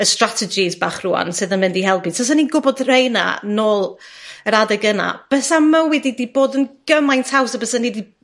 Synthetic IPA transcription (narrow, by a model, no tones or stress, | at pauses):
əstratʰɛd͡ʒisbaːχruːa̰nsɨðənmɪndihɛlˠpi̥sʰas̬aninɡʊbɔdr̥ejna̰noːlˠəɾadɛɡəna̰b̥ɛsamawɛdidiboːdənɡ̥əmajntʰawsabəsanidi